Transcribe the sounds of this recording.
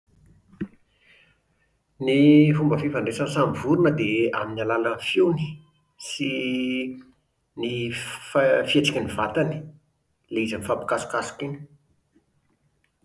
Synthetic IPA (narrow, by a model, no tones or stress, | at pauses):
nifumbəfivaɳɖ͡ʐesənsamvuɾunəd̪ea̰minalalənfiwni̥ | si | niffieʈ͡ʂḁkʲanivat̪ani̥ | leizanifapi̥kasu̥kasu̥kini̥